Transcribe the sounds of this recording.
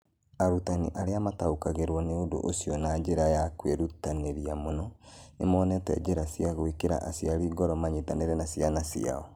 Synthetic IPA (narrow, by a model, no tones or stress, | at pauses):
aɾutanḭʔaɾeamataukaɣeɾwɔneodo̰ʔosiɔnad͡ʒeɾajakweɾutaneɾiamonɔḛmɔnɛtɛ̰d͡ʒeɾasiaɣoekeɾa̰ʔasjaɾiːɡɔɾɔmaɲetaneɾɛnasjanasia̰ɔ